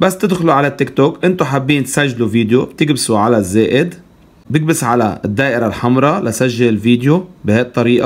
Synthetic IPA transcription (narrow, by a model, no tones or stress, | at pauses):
basːt̪ɪd̪xʊluʕalat̪ːɪkt̪oːkʔɪnt̪oħabːiːnt̪saʒːluviːd̪jobt̪ɪɡbsuʕalazːeːʔɪd̪ | bɪɡ̚bɪsʕala̰d̪ːaːʔɪɾalħɑmɾˤɑlasaʒːalɪlviːd̪jobɪhaːʔt̪ˤːɑɾiːʔa